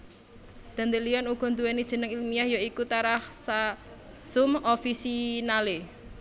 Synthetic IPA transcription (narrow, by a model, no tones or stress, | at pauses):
d̪̥a̤nd̪eliɔnuɡ̥ɔ̤nd̪uwenid̥ʒ̥ə̤nəŋilmijahjoikut̪aɾahsa | sumofisinale